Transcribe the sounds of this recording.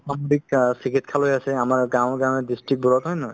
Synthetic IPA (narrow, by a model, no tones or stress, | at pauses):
samoɹik̚sikitkʰalojasɛamaɹɡãw̃ɡãw̃ɛdistɹik̚bɔɹɔtɦɔjnɔɦɔj